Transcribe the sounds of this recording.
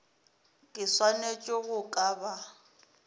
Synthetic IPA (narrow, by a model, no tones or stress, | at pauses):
kʼɪswanet͡ʃʼoɣʊkʼaːba